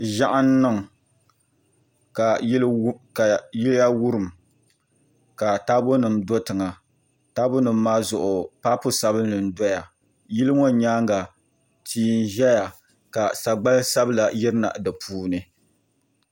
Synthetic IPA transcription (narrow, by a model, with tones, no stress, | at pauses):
ʒa˦ʔa˦nː˦ɨ˦ŋ˨ | ka˨˦a˨ji˦lja˦wu˦ɾɨ˨m | ka˨taː˦bo˦nɨ˨mdo˦tɨ˨ŋa˨ | taː˦bo˦nɨ˨m̩ː˦aː˦zʊ˨ʔʊ˨paː˦pʊ˦sa˦bɨ˦nː˦ɨ˨n˦dɔ˦ja˨ | ji˦lɨ˦ŋo˦ɲaː˦ŋɡa˨ | tʰiː˦n˦ʒɛ˦ja˨ | ka˨sa˨ɡ͡ba˦lsa˦bɨ˦la˨jɪ˦ɾɨ˦na̰˨ʔdɨ˨pʰuː˦nɨ˨